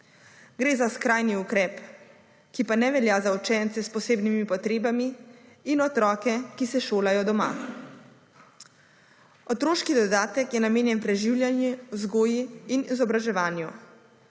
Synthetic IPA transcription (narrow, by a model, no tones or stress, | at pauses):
ɡɾeːzaskɾaːjniukɾɛːp | kipanɛʋɛljazaut͡ʃɛnt̪sɛspɔseːbnimipɔt̪ɾeːbamiːnɔt̪ɾɔːkɛkisɛʃoːlajɔd̪ɔma̰ | ɔt̪ɾoːʃkid̪ɔd̪aːt̪ɛkjɛnameːnjɛnpɾɛʒiwljanjuwzɡoːjiːnizɔbɾaʒɛʋaːnju